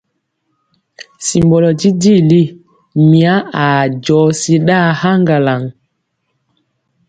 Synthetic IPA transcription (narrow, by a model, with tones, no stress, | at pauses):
si˨mbɔ˨lɔ˨ti˦di˦˨li˦ | mĩ˨a˦a˨d͡ʒɔː˨˦si˦ɗa˦ha˦ŋɡa˨la˨ŋ